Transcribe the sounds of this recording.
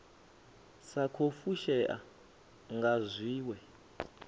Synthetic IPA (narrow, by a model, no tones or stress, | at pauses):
sakʰofuʃɛʔa̰ | ŋɡazʷiːwɛ